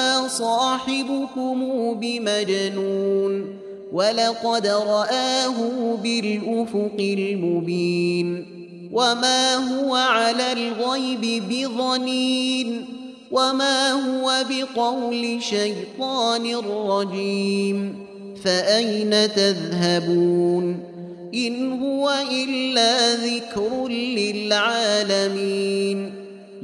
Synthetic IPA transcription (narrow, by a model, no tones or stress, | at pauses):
aːsˤɑːħɪbʊkʊmuːbɪmad͡ʒanuːn | walɑqɑd̪ɾˤɑʔaːɦʊbɪlʔʊfʊqɪlmʊbiːn | wamaːɦʊwaʕalaːlɣajbɪbɪðˤɑniːn | wamaːɦʊwabɪqɑwlɪʃajt̪ˤɑːnɪrˤːɑd͡ʒiːm | faʔajnat̪aðɦabuːn | ʔɪnhʊwaʔɪlːaːðɪkɾʊnlɪlʕaːlamiːn